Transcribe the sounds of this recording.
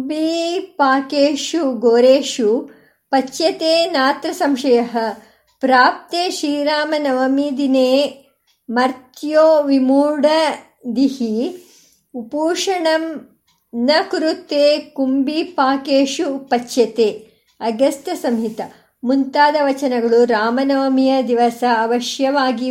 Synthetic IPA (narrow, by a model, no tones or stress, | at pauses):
bipaːkeːʂuɡoːɾeːʂu | pɐt͡ʃːjɐt̪eːnaːt̪ɾɐsɐmʃɐjɐɦɐ̆ | pɾaːp̚t̪eːʃiːɾaːmɐnɐʋɐmid̪ineː | mɐɾt̪joːʋimuːɽɐ | d̪ihi | upuːʂɐɳɐm | nɐkɾut̪eːkumbipaːkeːʂupɐt͡ʃːjɐt̪eː | ɐɡɐst̪ɐsɐmɦit̪ɐ | munt̪aːd̪ɐʋɐt͡ʃɐnɐɡɐɭuɾaːmɐnɐʋɐmijɐd̪iʋɐsɐːʋɐʃjɐʋaːɡi